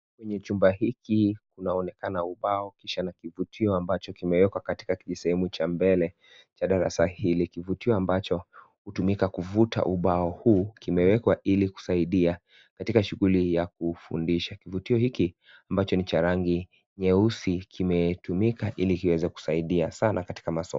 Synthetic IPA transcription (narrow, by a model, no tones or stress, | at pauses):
kwɛɲɛt͡ʃumbahikikunaɔnɛkanauɓaɔkiʃanakivutʰiɔambat͡ʃɔkimɛwɛkwakati̥kakiʄisɛhɛmut͡ʃambɛlɛ | t͡ʃaɗaɾa̰sahilikivutiɔambat͡ʃɔ | hutumikakuvuta̰ʔuɓaɔhukimɛwɛkwaʔiliku̥saiɗia | katikaʃuɣulijak̚ufṵndiʃakivutiɔhiki | ambat͡ʃɔnit͡ʃaɾaŋɡi | ɲɛusikʰimɛtumikaʔilikiwɛzɛku̥saiɗiasanakati̥kamasɔ̰